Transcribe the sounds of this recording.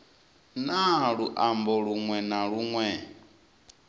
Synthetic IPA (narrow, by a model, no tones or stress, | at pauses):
naɺuʔambɔɺuŋwɛnaɺuŋwɛ